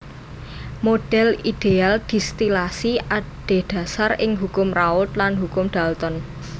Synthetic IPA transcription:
moɖ̥ɛ̤lid̪̥eald̪̥i̤st̪ilasiʔaɖ̥e̤d̪̥a̤sarɪŋɦukʊmraʊt̪lanɦukʊmɖ̪̥a̤lt̪ɔn

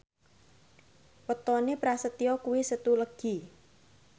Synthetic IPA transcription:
pət̪ɔnepɾasət̪iɔkuwisət̪uləɡ̥i

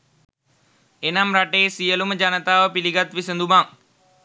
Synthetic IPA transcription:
enamɾaʈeːsijəluməd͡ʒanət̪aːʋəpiliɡat̪ʋisənd̪umaŋ

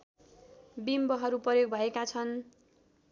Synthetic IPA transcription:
bimbʌɦʌɾuprʌjoɡ̚bʱʌekat͡sʰʌn

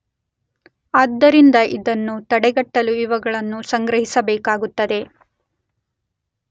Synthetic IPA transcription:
aːd̪ːɐɾind̪ɐʔid̪ɐnːut̪ɐɽɛɡɐʈːɐluiʋɐɡɐɭɐnːusɐŋɡɾɐɦisɐbɛːkaːɡut̪ːɐd̪e̞

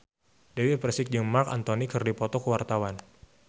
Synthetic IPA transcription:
dewit̚pɾɛsɪk̚d͡ʒəŋmarka̰nt̪onikɨrdipɔt̪ɔkəwart̪awan

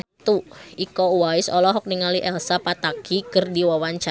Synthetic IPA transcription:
t̪uʔikɔuwaɪsɔlɔɦɔk̚niŋaliʔɛlsapat̪akikərdiwawant͡ʃa

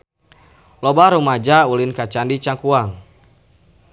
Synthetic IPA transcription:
lɔbaɾumad͡ʒaulinkat͡ʃandit͡ʃaŋkuaŋ

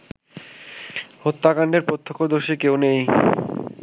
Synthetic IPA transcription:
hot̪ːakaɳɖeɾpɾot̪ʰːo̥kʰːod̪oʃikewnej

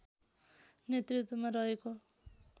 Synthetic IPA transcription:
njet̪rit̪wʌmaɾʌɦeko

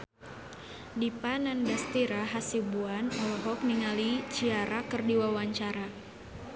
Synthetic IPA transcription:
dipanandast̪iɾaɦasibuanɔlɔɦɔk̚niŋalit͡ʃiaɾakɨrdiwawaɲt͡ʃaɾa

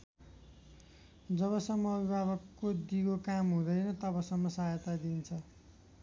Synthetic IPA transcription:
d͡zʌβʌsʌmːʌːbibʱabʌkːod̪iɡokamɦũd̪ʌjnʌt̪ʌbʌsʌmːʌsajʌt̪ad̪int͡sʰʌ

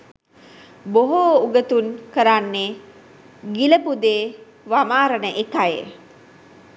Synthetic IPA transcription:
boɦouɡət̪unkəɾanːe | ɡiləpud̪eː | ʋamaːɾənəʔekajḛ

